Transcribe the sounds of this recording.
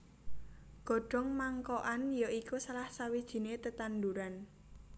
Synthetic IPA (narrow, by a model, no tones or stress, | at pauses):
ɡ̥ɔ̤ɖ̥ɔ̤ŋmaŋkɔʔanjoikusalahsawid̥ʒ̥i̤net̪ət̪and̪uɾan